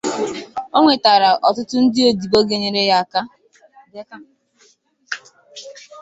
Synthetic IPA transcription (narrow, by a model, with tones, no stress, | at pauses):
o˦ŋʷe˨ta˨ɾa˨ʔɔ˨tʊ˦tʊ˦n̩˦dɪ˦o˦di˨bo˦ɡe˨ɲe˨ɾe˦ja˦a˨ka˦ | de˦ka˦